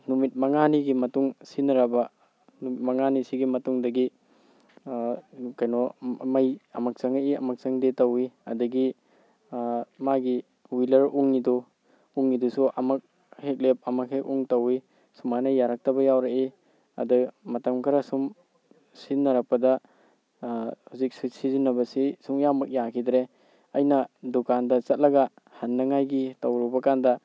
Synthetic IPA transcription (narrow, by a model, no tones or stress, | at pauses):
numit̚mɐŋaniɡimɐtuŋsinɐɾabɐ | numit̚mɐŋanisiɡimɐtuŋdɐɡi | kɐjnɔmɐjɐmɐk̚sɐŋɐʔiɐmɐk̚sɐŋdetɐwiɐ̰duɡi | maɡi | wilɐɾuŋnidu | uŋnidusuʔɐmɐk̚ | hek̚lep̚ɐmɐkhekuŋtɐwi | sumanɐjaɾak̚tɐbɐjawɾaki | ɐ̰dumɐtɐmkʰɐɾɐsum | sinːɐɾɐk̚pɐdɐ | huzik̚susizinɐbɐsisuŋjamɐk̚jakʰidɾe | ɐjnɐdukandɐt͡ʃɐt̚lɐɡɐ | hɐnːɐŋajɡitɐwɾɔbɐkandɐ